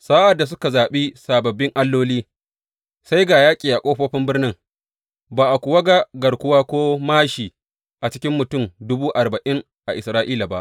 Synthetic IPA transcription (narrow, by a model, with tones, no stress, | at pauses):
saː˦ʔa˨dːa˨s̬ʊ˦ka˨zaː˨ɓi˦saː˨bɐ˨bːɪ˦ŋʔa˦lːoː˦liː˦ | sa˦jɡaː˨jaː˦kʲʼiː˨ʔa˨kʷʼoː˦ɸoː˦ɸɪ˦mbɪ˦rnɪ˦ŋ | baː˨ʔa˨kʷʊ˨wɐ˦ɡa˦ɡɐ˨rkʷʊ˦waː˦kʷoː˦maː˦ʃiː˨ | ʔa˨t͡ʃɪ˦kʲɪ˦mːʊ˨tʊ˦˨mdʊ˦buː˦ʔa˨rba˨ʔɪ˦ŋ | ʔa˨ʔɪ˨sɾaː˦ʔiː˦la˨ba˦ʔ